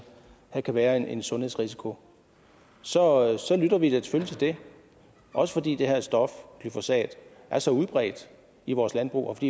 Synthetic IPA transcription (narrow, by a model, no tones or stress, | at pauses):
hækʰæʋæːɐene̝nsɔ̽nhesʁis̬i̥kʰo̝ | sɒ̽sɒ̽lyd̥ɐʋideɐt͡sʰe̥føljət͡sʰe̝ld̥e̝ | ʔɒ̽səfɒ̽d̥ḭːd̥e̝hæɐ̰sd̥ɒ̽fkʰlyfo̝sɛ̰ːd̥ | ʔæɐsɒ̽uðˠb̥ʁɛ̰ːd̥ | iʋɒːslænb̥ʁṵːɒfɒd̥ḭː